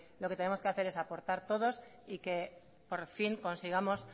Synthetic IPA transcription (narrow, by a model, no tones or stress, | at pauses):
loket̪ene̞mo̞skeaθe̞ɾe̞sapo̞ɾt̪aɾt̪o̞ð̞o̞s | ike̞ | poɾfiŋko̞nsiɣ̞amo̞s